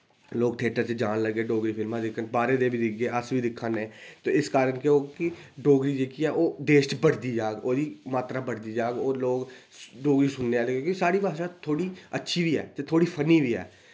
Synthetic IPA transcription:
loːɡ̚ʈʰeːʈəɾt͡ʃed͡ʒaːnləɡːeːɖoːɡɾiːpʰɪlmãːd̪ɪkʰːənbaːɾeːd̪eːbiːd̪ɪɡeːəsʋiːd̪ɪkʰːəneːt̪oːɪskaːɾənkeoːkɪɖoːɡɾiːd͡ʒeːkiːɛːʔoːd̪eːʃʈbəɽd̪iːd͡ʒaːɡoːd̪iːmaːt̪ɾaːbəɽd̪iːd͡ʒaːɡoːloːɡ | ɖoːɡɾiːsʊnːeːaːləɡeːkɪsaːɽiːʋaːʃaːt̪ʰoːɽiːətːʃʰiːbiːɛ̰ːt̪et̪ʰoːɽiːpʰəniːbiːɛ̰ː

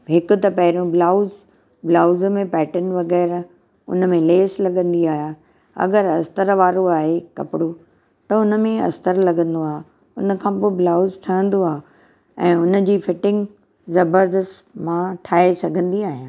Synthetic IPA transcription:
ɦɪkʊ̆t̪ɐpɐɦɪɾõblaːʊz | blaːʊzmẽpɛːʈənʋɐɣɛːɾ | ʊ̰n̆mẽleːslɐɡə̃nd̪iaːɦijaː | ɐ̰ɡəɾɐst̪əɾʋaːɾoaːɦekɐ̰pɪɽo | t̪ɐʊnə̆mẽɐ̰st̪əɾlɐɡə̃nd̪oaːɦe | ʊnəkʰãːpoːɪblaːʊzʈʰɐə̃nd̪oaː | ɛ̃ːʊnə̆d͡ʑiːfɪʈɪ̃ŋɡ | zɐbəɾd̪əst̪mãʈʰaːesɐɡʱə̃nd̪iaːɦijãː

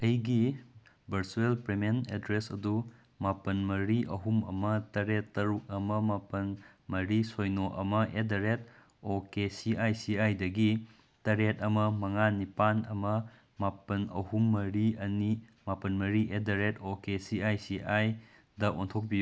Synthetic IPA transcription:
ɐjɡi | bʱɐɾsuelpɾemenḛdɾesɐdu | mapɐnmɐɾiʔɐɦumɐ̰mɐtɐɾetːɐɾuk̚ɐmɐmapɐn | mɐɾisojnoʔɐ̰mɐʔedɐɾet̚ | okesiʔajsiajdɐɡi | tɐɾetɐmɐmɐŋanipanɐ̰mɐ | mapɐnɐ̰humːɐɾiɐnimapɐnmɐɾiʔedɐɾetokesiajsiʔaj | dɐʔontʰok̚biju

